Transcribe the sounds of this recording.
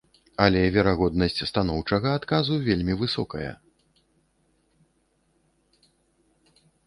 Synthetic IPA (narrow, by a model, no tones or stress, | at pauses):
ɐlʲɛvʲɛɾaɣɔd̪̚nɐsʲt͡sʲst̪an̪ɔwt͡ʂɐɣɐat̪kazuvʲelʲmʲivɨsɔkɐjɐ̰